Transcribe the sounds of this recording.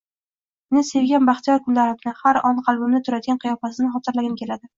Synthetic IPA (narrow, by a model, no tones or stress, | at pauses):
nɪse̞vɡʲanbɑχt̪ʰijɒɾkʰʊnlaɾɪmnɪhaɾɒnqʰɑlˠbɪmnɪt̪ʰʊɾad̪ɪɡʲanqʰɨjɒfasɪnɪχɒt̪ʰɪɾlaɡʲɪnkʲʰe̞lad̪ɪ